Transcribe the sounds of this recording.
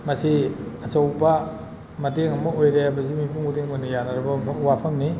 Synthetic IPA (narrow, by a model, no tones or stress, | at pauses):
mɐsiɐsowpɐ | mɐteŋɐmɐojɾeɐbɐzimipʰuŋudiŋonijanɐɾɐbɐwapʰɐŋni